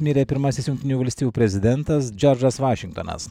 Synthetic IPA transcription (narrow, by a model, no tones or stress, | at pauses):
mʲiɾʲepʲɪɾmɐsʲɪsjʊŋkt̪ʲɪnʲuːʋɐlʲsʲt̪ʲiːjuːpʲɾʲɛzʲɪd̪ʲɛnt̪ɐsd͡ʒʲɔɾd͡ʒɐsʋɑːʃʲɪŋkt̪o̰nɐ̰s